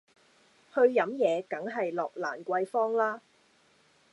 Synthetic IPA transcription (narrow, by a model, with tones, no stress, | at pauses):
hɵ˧ɥjɐ˨˥mjɛː˨˧kɐ˨˥ŋɦɐ˨jlɔː˨k̚laː˨˩nkʷɐ˧jfɔː˥ŋlaː˥